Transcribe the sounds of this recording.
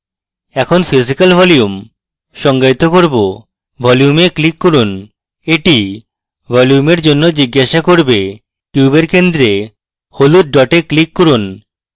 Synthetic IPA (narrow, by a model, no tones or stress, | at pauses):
ɛkʰonfizikalbʱɔlium | ʃɔŋɡait̪okoɾbo | bʱɔlijumeklikːɔɾun | eʈi | bɔljumeɾd͡ʑonːod͡ʑiɡːaʃakoɾbe | ʈubeɾkend̪ɾe | holut̚ɖɔʈeklikːɔɾun